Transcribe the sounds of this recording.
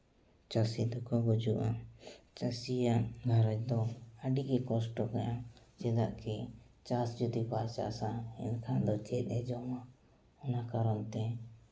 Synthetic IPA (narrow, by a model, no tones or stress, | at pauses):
t͡ʃasid̪ɔkɔɡɔd͡ʒuʔat͡ʃasijaʔɡʱaɾɔt͡ʃd̪ɔaɖikɛkɔsʈɔkajat͡ʃɛd̪aʔkʰit͡ʃasd͡ʒud̪ipat͡ʃa̰ʔsaɛ̰nkʰad̪ɔt͡ʃɛt̪̚ˀɛd͡ʒɔma | ɔnakaɾɔnt̪ɛ